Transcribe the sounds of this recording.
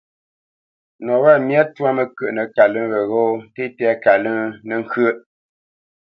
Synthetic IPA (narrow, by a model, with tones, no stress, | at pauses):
nɔ˨wa˦˨mja˦twa˦mə˨kə˦˨ʔnə˨ka˨lɨ˦ɣə˨ɣo˦n˦te˦tɛ˦a˦ka˨lə˦nə˨ŋ˦kə˦ʔ